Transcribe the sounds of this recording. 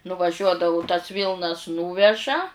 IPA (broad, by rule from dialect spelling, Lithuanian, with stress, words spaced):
nʊʋɐˈʒʲuɔdɐʋʊ tɐs ˈʋʲiːlˠnɐs ˈnuːʋʲɛʒɐ